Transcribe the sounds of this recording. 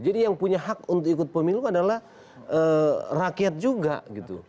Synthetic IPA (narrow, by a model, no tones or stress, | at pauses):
d͡ʒadijaŋpuɲaɦakunt̪ʊkikʊt̪̚pəmiluadalah | ərakiat̪̚d͡ʒuɡa̰ɡit̪ṵ